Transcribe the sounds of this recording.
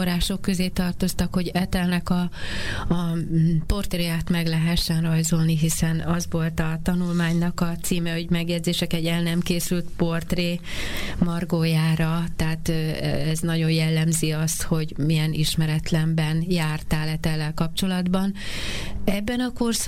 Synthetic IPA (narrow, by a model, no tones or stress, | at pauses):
oɾaːʃo̞kːø̞zeːt̪ɒrt̪o̞st̪ɒkhoɟɛt̪ɛlnɛkɒ | po̞rt̪reːjaːt̪mɛɡlɛɦɛʃːɛnrɒjzo̞lniɦisɛnɒzʋo̞lt̪ɒt̪ɒnulmaːɲnɒkɒt̪siːmɛhoɟmɛɡjɛd̪zeːʃɛkɛɟɛlnɛmkeːsylt̪po̞rt̪reːmɒrɡoːjaːɾɒt̪ɛaːt̪ːɛznɒɟo̞njɛlːɛmziɒst̪ho̞ɟmijɛniʃmɛɾɛt̪lɛmbɛnjaːrt̪aːlɛt̪ɛlːɛlkɒp̚t͡ʃo̞lɒd̪bɒn | ɛbːɛnɒko̞rs